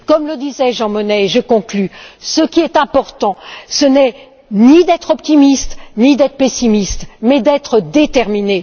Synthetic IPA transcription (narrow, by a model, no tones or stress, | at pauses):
kɔmləd̪izɛʒɑ̃mɔnɛʒəkɔ̃klysəkʲiɛt̪ɛ̃pɔʁt̪ɑ̃sənɛ | nid̪ɛt̪χɔpt̪imist̪nid̪ɛt̪χəpesimist̪mɛd̪ɛt̪χəd̪et̪ɛʁmine